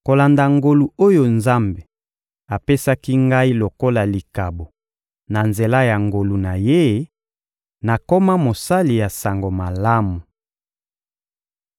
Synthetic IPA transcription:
ko˨la˨nda˨ŋɡo˨lu˨o˦jo˦nza˦mbe˨ | a˨pe˦sa˦ki˦ŋɡa˦i˦lo˨ko˦la˨li˨ka˨bo˨ | na˨nze˨la˦ja˨ŋɡo˨lu˨na˨je˦ | na˨ko˦ma˦mo˨sa˦li˨ja˨sa˨ŋɡo˨ma˨la˦mu˨

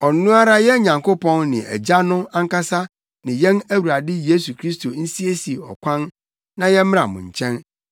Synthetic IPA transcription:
ɔ˨n˨˦nũ˦a˦ɾa˦jɛ˦ɲã˨ŋko˦pʰɔ̃˦nnɪ̃˨æ̰˨d͡ʑa˦nʊ̃˦ã˦ŋ˦ka˦sa˦ | nɪ̃˨jɛ̃˦næ˦wu˨ɾa˨dɪ˦je˦su˨kʰɾi˦sto˨n̩˦si˦e˦si˨ɔ̰˨kʷʰã˦n | nã˨jɛ˦m̃˦ɾã̰˨mʊ̰̃˨ɲ˨t͡ɕʰɛ̃˦n

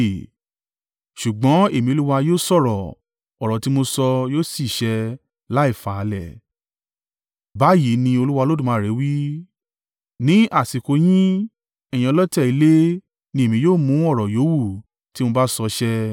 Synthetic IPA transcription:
ʃu˨ɡ͡bɔ̃˨˦e˦˨mĩ˧o˧˦lu˦wa˧joː˦˨sɔ˦˨ɾɔ˨ | ɔ˨ɾɔ̃˨ti˦mo˧sɔ˧joː˦˨si˦˨ʃɛ˧ | la˦i˦˨fa˨˧lɛ˨ | ba˨˦ji˨˦nĩ˧o˧lu˦wa˧lo˦dũ˦˨mã˨˦˨ɾe˨˦wi˦ | nĩ˨˦ʔa˦˨si˨ko˧˦j̃ĩ˦ | ɛ̃˨ĩ˧˦lɔ˦tɛ˦˨i˨˧˦le˦ | nĩ˧e˨mĩ˧˦joː˦˨mũ˨˦ɔ˦˨ɾɔ˨jo˨˦wu˦˨ | ti˦mõ˧ba˦sɔ˧ʃɛ˦˧

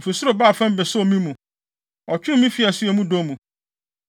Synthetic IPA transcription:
fe˨sʊ˦ɾo˨baː˦˨fã˦m˦bɛ˨sʊ˦o˨mĩ˦mũ˨ | ɔ˨t͡ɕᶣɪ˦mĩ˦fi˨a˨sʊ˦ɛ˨mũ˦do˦mũ˨

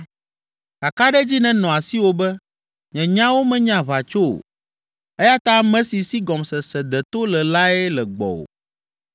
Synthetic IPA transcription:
ka˨ka˦ɖɛ˦d͡ʑi˦nɛ̃˨nɔ̃˨a˨si˦wo˦bɛ˦ | ɲɛ̃˨ɲã˦wo˦mɛ̃˦ɲã˨βa˨t͡ʃo˦o̰˨ | ɛ˦ja˦t̪ã˦mɛ̃˦si˨si˦ɡɔ˨msɛ˨sɛ˨d̪ɛ˨t̪o˦lɛ˨la˦ɛ˦lɛ˨ɡ͡bɔ̰˨o̰˨

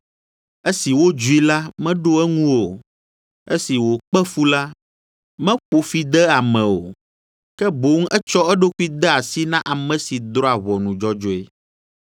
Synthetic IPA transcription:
e˦si˨wo˦d͡ʒu˦i˦la˦mɛ̃˦ɖo˦ɛ˦ŋũ˦wo˨ | e˦si˨wo˨k͡pɛ˦fu˦la˦ | mɛ̃˦ɸo˨fi˨d̪ɛ˦a˨mɛ̃˨o̰˨ | kɛ˦bo˨˦ŋ̩˦ɛ˦t͡ʃɔ˦ɛ˦ɖo˦ku˦i˦d̪ɛ˦a˨si˦nã˦ʔa˨mɛ̃˨si˨d̪ɾɔ˦a˨βɔ˨nũ˨d͡ʒɔ˦d͡ʒo˦ḛ˦

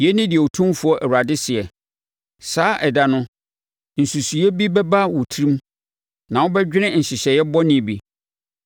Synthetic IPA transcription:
jɛ˦nɪ̃˦dɪ˨ɛ˨o˨tʰũ˦mfʊ˨˦ɔ˦ʔɛ˨wu˨ɾa˨dɪ˦sɪ˨ɛ˨ | saː˨˦ʔɛ˨da˨nʊ̃˦ | n̩˨su˨su˨ɛ˦bi˦bɛ˦ba˦wɔ˨tʰɾĩ˦m | nã˨wɔ˦bɛ˦d͡ʑᶣɪ˦nɪ̃˦n̩˨ɕɪ˨ɕɛ˨jɛ˦bɔ˦nɪ̃˨bi˨

